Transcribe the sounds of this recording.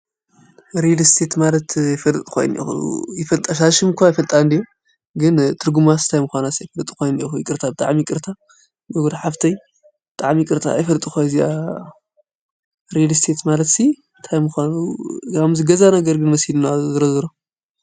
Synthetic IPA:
ɾed̪st̪ʰe̞t̪malɐt̪jɪfɐlt̪ʼkʰo̰j̰nḭxṵjɪfɐlt̪ʼaʃaʃɨmkʰʷajfɐlt̪ʼand̪ijo | ɡɨnt̪ʰɨɾɡumasɨ̥t̪ʰajmɨxʷanasijfɐlt̪ʼi̥kʰo̞jnixujkʼɨɾt̪ʰabɨt̪ʼa̰ʕmikʼɨɾt̪ʰa | ɡoɡod̪aħaft̪ʰɐj | bɨt̪ʼaʕmikʼɨɾt̪ʰʼa̰jfɐlt̪ʼixazia | ɾedst̪ʰe̞t̪malɐt̪si | t̪ʰajmɨxʷanukʰamzɨɡɐzanɐɡɐɾɡɨnmɐshilnazɨɾɐzɨɾo

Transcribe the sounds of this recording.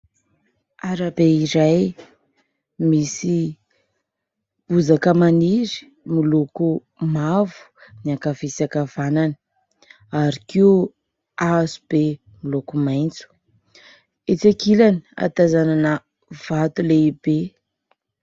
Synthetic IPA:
aɾabeiɾaj | misi | b̥uzakəmaniɾi̥ | miloku | mavu̥niakavisakavanani̥ | aɾiki | azub̥e | milokumajnt͡su̥ | et͡sakilani̥a̰t̪azananə | v̥at̪uleibe

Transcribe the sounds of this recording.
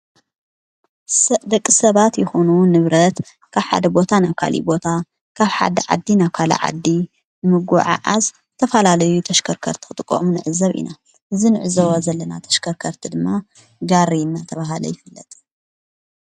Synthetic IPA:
sd̪ɐkʼːisɐβat̪jɪxo̞nunɨβɾɐt̪ | kʰaβħa̰d̪ɐbo̞t̪ʰanaβkʰa̰lʔḭbo̞t̪ʰa | kʰaβħa̰d̪ɐʕa̰d̪ːinaβkʰalɐ̰ʕa̰d̪ːi | bɨmɨɡuʕa̰ʔaz | ɨt̪ʰɐfɐlalɐjut̪ʰɐʃkʰɐɾkʰɐ̰ɾt̪ʰi̥xɨt̪ʼɨkʼːo̰munɨʕɨzɐβʔḭna | ʔɨzinɨʕɨzɐwozɐlːɐna̰t̪ʰɐ̥ʃkʰɐɾkʰɐɾt̪ʰid̪ɨmːa | ɡaɾiɨnːat̪ʰɐβaɦalɐ̰jɪfɨlːɐt̪ʼ

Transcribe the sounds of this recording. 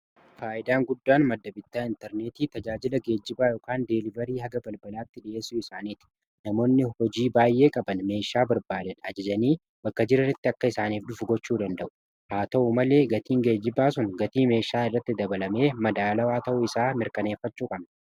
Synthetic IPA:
faːʔɪd̪aːŋɡʊd̪ːaːnmɐd̪ːɐbɪt̪ːaːɪnt̪ɛɾne̞ːt̪iːt̪ɐd͡ʒaːd͡ʒɪlɐɡe̞ːd͡ʒːɪbaːjoːkaːnd̪elɪvɛɾiːhɐɡɐbɐlbɐlaːt̪ːɪᶑɪʔe̞ːsːʊːɪsaːniːt̪ɪ̥ | nɐmo̞ːnːɪhɔd͡ʒiːbaːjʔe̞ːkʼɐbɐnme̞ːʃaːbɐɾbaːd̪ɐnɐd͡ʒɐd͡ʒɐniː | bɐkːɐd͡ʒɪɾɐrɐt̪ːɪɐkːɐɪsaːniːfᶑʊfʊɡɔt͡ʃːuːd̪ɐnd̪ɐʔʊ̥ | haːt̪ɐʔumɐle̞ːɡɐt̪iːŋɡe̞ːd͡ʒːɪbaːsʊnɡɐt̪iːme̞ːʃaːɪrːɐt̪ːɪd̪ɐbɐlɐme̞ːmɐd̪aːlɐwaːt̪ɐʔʊɪsaːmɪɾkɐne̞ːfːɐt͡ʃːuːkʼɐbnɐ

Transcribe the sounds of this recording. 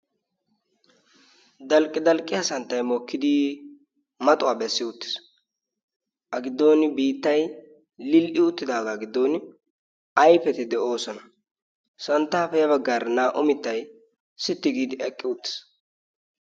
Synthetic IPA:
d̪ɐlkʼːɪd̪ɐlkʼːɪɐsɐnt̪ːɐjmɔkːɪd̪i | mɐt̪ʼʊwaːbɛsːɪʊt̪ːɪ̥s | ʔɐɡɪd̪ːo̞ːnɪbiːt̪ːɐj | lɪlʔɪʊt̪ːɪd̪aːɡaɡɪd̪ːo̞ːnɪ | ɐjpɛt̪ɪd̪ɛʔo̞ːsɔnɐ | sɐnt̪ːaːfɛjɐβɐɡːaːɾnaːʔʊmɪt̪ːɐj | sɪt̪ːɪɡiːd̪ɪɛkʼːɪʊt̪ːɪ̥s

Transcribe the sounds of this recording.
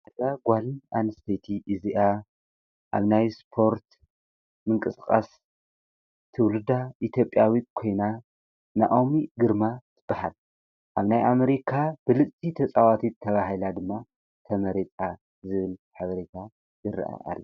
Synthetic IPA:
ʔɨzaɡʷalina̰nɨst̪ʰɐjt̪ʰiʔɨziʔa | ʔa̰βnajspʰo̞ɾt̪ | mɨŋkʼɨskʼa̰s | t̪ʰɨwlɨd̪aʔit̪ʰjo̞pʼjawit̪̚kʰo̞jna | na̰ʔʼomiɡɨɾmat̪ʰɨb̥ːahal | ʔaβnajʔameɾikʰabɨlɨt͡sʼit̪ʰɐt͡sʼawat̪ʰit̪ʰːɐβaɦilad̪ɨmːa | t̪ʰɐmɐɾet͡sʼa | zɨβɨlħaβɐɾet̪ʰa | jɨɾɐ̰ʔa̰ʔa̰lːɐ

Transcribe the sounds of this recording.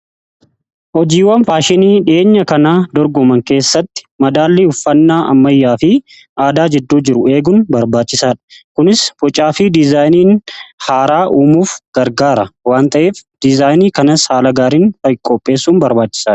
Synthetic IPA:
hɔd͡ʒiːwɐnfaːʃɪniːᶑɪeːɲːɐkɐnaːd̪ɔɾɡɔmɐŋke̞ːsːɐt̪ːɪ̥mɐd̪aːlːiʊfːɐnːaːʔɐ̰mːɐjːaːfɪ | ʔaːd̪aːd͡ʒɛd̪ːuːd͡ʒɪɾʊe̞ːɡʊnbɐɾbaːt͡ʃːɪsaːᶑɐ̥kʊnɪsfɔt͡ʃʼaːfɪd̪ɪzaːjniːnhaːɾaːʔuːmuːfɡ̥ɐɾɡaːɾɐwaːnt̪ʰʼɐʔeːfd̪̥ɪzaːjniːkɐnɐshaːlɐɡaːɾiːnfɐjɪkʼːɔpʼːe̞ːsːuːnbɐɾbaːt͡ʃːɪ̥saːɐ̥

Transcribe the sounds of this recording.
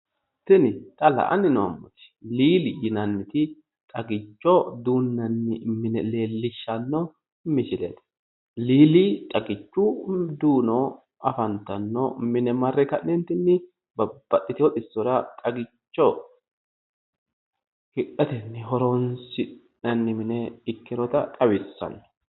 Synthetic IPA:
tɪnɪt̪ʼɐlɐ̰ʔɐ̰nːɪnɔɐ̰mːɔ̰t̪ɪ̥liːlɪjɪnɐnːɪt̪ɪ | kʼɐɡɪt͡ʃːɔd̪uːnːɐnːɪmɪnɛleːlːɪʃːɐnːɔ | mɪʃɪlḛːt̪ | liːlikʼɐɡɪt͡ʃːʊd̪uːnɔ | ɐfɐnt̪ːɐnːɔ̰mɪnɛmɐrːɛkɐnnɛnt̪ɪnːɪ | bɐb̥ːɐtːɪt̪ɪwɔt̪ʼɪsːɔɾɐt̪ʼɐɡɪt͡ʃːɔ | hɪʔɐt̪ɛnːɪɦɔɾɔnsɪ | ɐnːɪmɪnɛɪkːɪɾɔt̪ɐt̪ʼɐwɪsːɐ̰nːɔ̥

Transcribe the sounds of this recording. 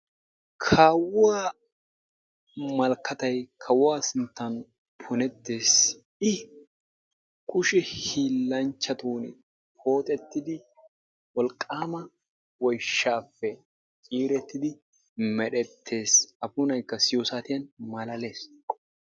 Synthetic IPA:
kʰaːwʊaː | mɐlkːɐt̪ɐjkʰɐwʊwaːsɪnt̪ːɐn | pʰʊnɛt̪ːe̞ːs | ɪ | kʰʼʊʃɪhiːlːɐnt͡ʃːɐt̪uːnɪ | pʰo̞ːt̪ʼɛt̪ːɪd̪ɪ | wɔlkʼːaːmɐ | wɔjʃːaːfːɛ | t͡ʃʼiːɾɛt̪ːɪd̪ɪ | mɛɗɛt̪ʰːe̞ːsɐfʊnɐjkːɐsɪjoːsaːt̪ɪjɐnmɐlɐle̞ːs

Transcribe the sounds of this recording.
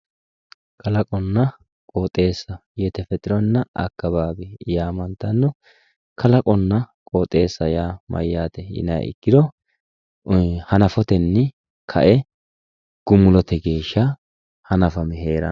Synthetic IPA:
kɐlɐkʼɔnːɐ | kʼoːt̪ʼːe̞ːsːɐjɛt̪ɛfɛt̪ʼɪɾɔnːɐʔɐ̰kːɐbaːbɛjaːmɐnt̪ːɐnːɔ | kʰɐlɐkʼɔnːɐkʼoːt̪ʼːe̞ːsːɐjaːmɐ̰jːaːt̪ɛɪ̰nɐ̰ʔɪ̰ɡːɪd̪ɔ | hɐnɐfɔt̪ɛnːɪ | kʰɐ̰ʔɛ | ɡ̥ʊmːʊlɔt̪ɛɡe̞ːʃːɐ | hɐnɐfɐmɛɦeːɾɐ̰

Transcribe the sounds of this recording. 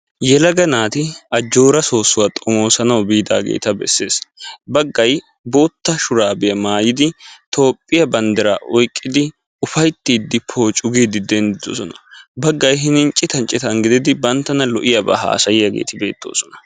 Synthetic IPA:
jɛlɐɡɐnaːt̪ɪɐd͡ʒːo̞ːɾɐso̞ːsːʊwaːt̪ʼɔmo̞ːsɐnɐwbiːd̪a̰ːɡḛːt̪ɐbɛ̰sːe̞ːsbɐɡːɐj | bo̞ːt̪ːɐʃʊɾaːbɪjɐmaːjɪd̪ɪt̪ʰo̞ːpʼːɪjɐbɐnd̪ɐɾaːʔɔjkʼːɪd̪ɪ | ʊfɐjt̪ːiːd̪ːɪpʰːo̞ːt͡ʃʼʊɡiːd̪ɪd̪ɛnd̪ɪd̪o̰sɔnɐ̥bɐɡːɐjɦɪnɪnt͡ʃʼːɪt̪ɐnt͡ʃʼːɪt̪ɐŋɡɪd̪ɪd̪ɪbɐnt̪ːɐnɐlɔʔɪjɐbɐ̰ɦa̰ːsɐjɪjɐɡḛːt̪ɪbe̞̰ːt̪ːo̞̰ːsɔnɐ̥

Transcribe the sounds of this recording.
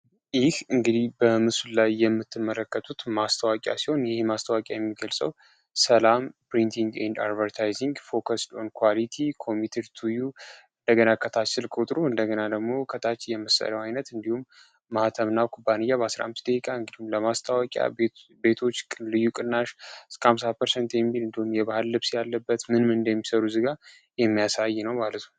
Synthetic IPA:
jɪhɨŋɡɨd̪ihbəmɨsullajːɛmːɨt̪ʰːɨmːələkːət̪ʰut̪mast̪ʰəwakʼja̰siho̞njɪhmast̪ʰəwakʼjajɛmːiɡəlsʼəw | səlampɾint̪ʰiŋɡḛnd̪a̰ɾd̪vəɾt̪ʰajziŋɡfo̞kʰəsd̪onkʰwalit̪ʰikʰo̞mit̪ʰəɾt̪ʰuju | ɨnd̪əɡənakʰət̪ʰat͡ʃːɪlkʰʼut̪ʼɾuɨnd̪əɡənad̪əɡmo̞kʰət̪ʰat͡ʃːjɛmɨsə̰ləwajnət̪ɨnd̪ihumː | at̪ʰəmnawkʰubːanɨjːaβasɾa̰hmːɨsd̪əkikʼaɨŋɡɨd̪ihumləmast̪ʰawɔkʼja̰be̞t̪ʰo̞t͡ʃːʼlɨjːukʼɨnːaʃɨskəams̬apʰːəɾsent̪jɛmːhilɨnd̪ihumjɛbahɨlːɨβsjalːəbːət̪mɨnmɨɨnd̪əjɛmːisəɾuzɨɡa | jɛmːijasajːnəwmalət̪ʰnu

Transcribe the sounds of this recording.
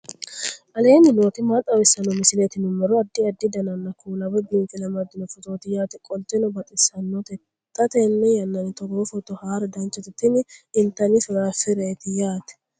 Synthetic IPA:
ʔɐle̞ːnɪnoːt̪ɪmaːt̪ʼːɐwɛsːɐnɔmɪsɪlet̪ɪnʊmːɔɾɔɐd̪ːɪɐd̪ːɪd̪ɐnɐnːɐkuːlɐbɐbiːkʼɪlɐmɐd̪ɪnɔfʊt̪ʼoːt̪ɪjaːt̪ɛkʼɔlt̪ːɛnɔbɐt̪ʼɪsɐnːɔt̪ɛ | t̪ʼːɐt̪ɛnːɛjɐnːɐnɪt̪ɔboːfɔt̪ːɔhaːɾɐd̪ɐnt͡ʃːɔt̪ɪt̪ːɪnɪɪnt̪ːɐnɪfɪɾaːfɪɾeːt̪ɪjaːt̪ɛ̥

